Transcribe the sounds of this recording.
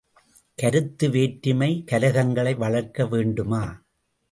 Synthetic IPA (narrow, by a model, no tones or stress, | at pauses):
kɐɾɯt̪ːɯʋeːʈɾɪmɐɪkɐlɐɣɐŋɡɐɭɐɪʋɐɭɐɾkːɐʋeːɳɖɯmaː